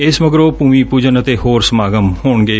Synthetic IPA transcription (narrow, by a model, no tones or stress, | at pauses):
ɪsʋəɡɾoːpuːmiːpuːd͡ʒənət̪eːhoːɾsəmaːɡəmhoːɳɡeː